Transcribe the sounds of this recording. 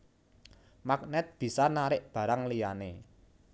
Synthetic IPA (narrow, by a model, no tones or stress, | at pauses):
mak̚nɛt̪̚b̥i̤sanaɾɪʔb̥ä̤ɾaŋlijane